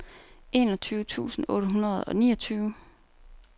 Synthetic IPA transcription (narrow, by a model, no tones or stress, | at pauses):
e̝̰ːnɒt͡sʰyːʊt͡sʰṵːsn̩ɔ̽ːɾəɦunɐð̩ˠɒ̽nḭːɒt͡sʰyːʊ